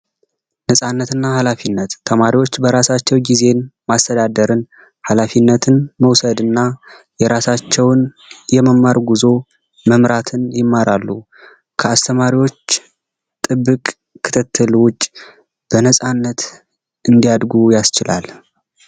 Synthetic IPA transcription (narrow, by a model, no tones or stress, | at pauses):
nəsʼanːət̪ɨnːahalafinːət̪ʰːəmaɾiwo̞t͡ʃːbəɾasat͡ʃːɛwɡize̞nmast̪ʰəd̪ad̪əɾɨn | halafinːət̪ʰɨnməwsəd̪ɨnːa | jɛɾasat͡ʃːɛwn | jɛməmːaɾɡuzo̞ | məmɾat̪ʰɨnjɪmːaɾʔalːu | kʰəast̪ʰəmaɾiwo̞t͡ʃ | t̪ʼɨbːɨkʼ | kʰːɨ̥t̪ʰɨt̪ʰːɨlwʊt͡ʃʼː | b̥ənəsʼanːət̪ | ɨnd̪ijad̪ɡujast͡ʃɪla̰l